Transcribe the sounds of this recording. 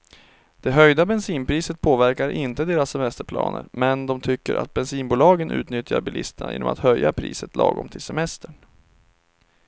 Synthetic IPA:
d̪̥ɛɦœjd̪abɛnsiːnpʰɾiːsət̪̚pʰoːvæɾkaɾʔɪnt̪əd̪eːɾasːɛmɛst̪əɾpʰlɑ̰ːnə̰ɾmɛnd̪ɔmt̪ʰʏkːəɾʔa̰t̪̚bɛnsiːnbuːlɑːɡənʔʉ̟ːt̪nʏt̪jaɾbɪlɪst̪əɳa̰jḛːnɔ̰mat̪hœjːapʰɾḭːsət̪lʔɑːɡɔ̰mt̪ʰɪlsɛmɛst̪əɳ

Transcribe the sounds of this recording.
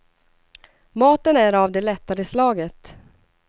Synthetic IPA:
mɑːt̪ənæɾavd̪ɛlɛt̪ːaɾəslɑːɡət̪

